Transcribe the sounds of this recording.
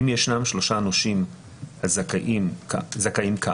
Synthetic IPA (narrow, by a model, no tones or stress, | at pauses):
imjeʃnamʃlo̞ʃaːnoʃim | hazkʔimzakaimka